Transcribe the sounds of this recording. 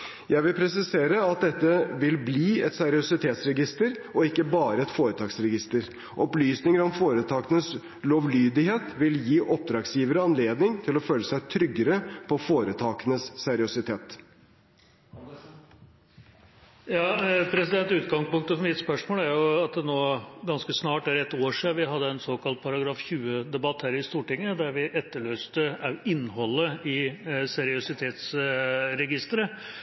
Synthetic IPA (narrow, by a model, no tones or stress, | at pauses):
jæɪʋɪlpʰɾɛsɪseːɾəɑt̪̚d̪ɛt̪ːəʋɪlbliːɛt̪sɛɾɪʊsɪt̪ʰeːt̪sɾɛɡɪst̪əɾɔɪkːəbɑːɾəɛt̪foːɾət̪ʰɑːksɾɛɡɪst̪əɾ | ʔɔplyːsnɪŋəɾɔmfoːɾət̪ʰɑːkənəs | loːʋlyːd̪ɪheːt̪ʋɪljiːʔɔp̚d̪ɾɑːɡsjiːʋəɾəɑnleːd̪nɪŋt̪ʰɪlɔføːləsæɪt̪ʰɾʏɡːəɾəpʰɔfoːɾət̪ʰɑːkənəssæɾɪʊsɪt̪ʰeːt̪ | jɑːpʰɾɛsɪd̪ɛnt̪ʉːt̪ɡɑŋspʊŋkt̪əfɔmɪt̪spœʂmoːlæɾjʊɑt̪̚d̪ɛnoːɡɑnskəsnɑːʈæɾɛt̪ːoːʂiːʋɪɦɑd̪ːəɛnsoːkɑlt̪̚pʰɑɾɑɡɾɑːfçʉːəd̪ɛbɑt̪hæːɾɪst̪uːʈɪŋːəd̪æɾʋɪʔɛt̪ːəɭøːst̪əɑʋɪnːɦɔlːəɪsɛɾɪʊsɪt̪ʰeːt̪sɾɛɡɪst̪əɾə